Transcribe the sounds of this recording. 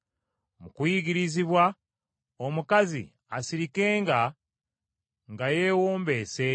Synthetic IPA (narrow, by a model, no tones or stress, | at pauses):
mukwiɡiɾiziβwa | omukazḭ | asiɾike̞ːŋɡa | ŋɡaje̞ːwoːmbe̞ːse̞